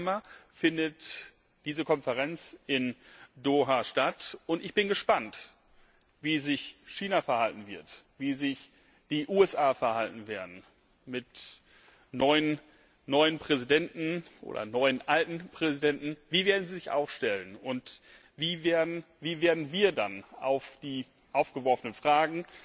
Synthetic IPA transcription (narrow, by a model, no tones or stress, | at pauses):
mɐfɪndət | d̥iːzəkʰɔnfɛʁ̞ɛnt͡sɪndoːɦaːʃtatʔʊntɪçb̥ɪnɡəʃpant | viːzɪçʃiːnafɛɐhaltn̩vɪɐtviːzɪç | d̥iːʔuːɛsʔaːfɛɐhaltn̩veːɐdn̩ | mɪt | nɔʏən | nɔʏənpʁ̥ɛzidɛntn̩ʔo̰ːdɐ̰nɔʏənʔaltn̩pʁ̥ɛzidɛntn̩viːveːɐdn̩ziːzɪça̰ʊxʃtɛlənʊnt | viːveːɐdn̩ | viːveːɐdn̩viːɐdana̰ʊfd̥iː | ʔaʊfɡ̥əvɔɐfənənfʁ̥aːɡŋ̩